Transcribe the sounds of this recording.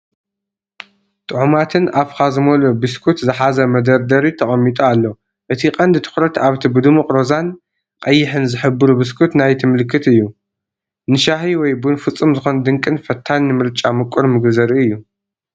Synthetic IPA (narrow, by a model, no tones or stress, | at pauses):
t̪ʼɨʕumat̪ʰɨnaβkazɨmolubɨskʰut̪zɨħazɐmɐd̪ɐɾd̪ɐɾit̪ʰɐχʼɐmːit̪ʼɐalːo̞ | ʔɨt̪ʰiqʼɐnd̪t̪ʰɨ̥xɾɐt̪ʰaβt̪ʰibɨd̪ɨmuqʼɾozan | qʼɐjːɪħɨnzɨħɨbɨɾubɨs̬kʰut̪najt̪ʰɨmɨlɨkʰːɨt̪ɨjːu | nɨʃaɦiwɔjbunfɨt͡sʼːɨmzɨxond̪ɨŋkʼɨnfɐt̪ʰːanːɨmɨɾt͡ʃʼamɨkʷʼːuɾmɨɡzɐɾiɨjːu